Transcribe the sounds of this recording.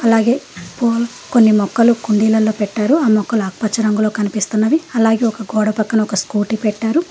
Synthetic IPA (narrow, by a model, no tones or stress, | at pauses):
ɐlaːɡe̞ːpoːlɐ | ko̞nːimɔkːɐlukuɳɖiːlɐlːo̞ːpɛʈːaːɾuaːmɔkːɐluaːk̚pɐt͡ʃːɐɾɐŋɡulo̞ːkɐnipist̪unːɐʋiɐlaːɡe̞ːɔkɐɡɔːɽɐpɐkːɐnɐɔkɐskuːʈipɛʈːaːɾu